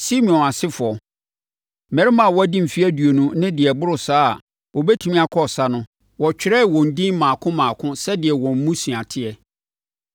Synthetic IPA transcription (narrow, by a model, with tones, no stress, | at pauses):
si˦mĩ˨ɔ̃˨na˨sɪ˦fʊ˨ɔ˨ | mɛ˨ɾɪ˦mã˨wɔ˦æ˦dĩ˦m̩˨fi˦æ˦du˨o˨nũ˦nɪ̃˦dɪ˨ɛ˨bʊ˦ɾʊ˨saː˦˨ | wɔ˨bɛ˦tʰũ˦mĩ˦a˨kʰɔ˦˨sa˦nʊ̃˦ | wɔ˨t͡ɕᶣɪ˨ɾɛ˦˨wɔ̃˨n̩˨dĩ˦mãː˨kʰʊ̃˦mãː˨kʰʊ̃˦sɛ˦dɪ˨ɛ˨wɔ̃˨m̩˦mũ˦sũ˨ã˨tʰɪ˦ɛ˨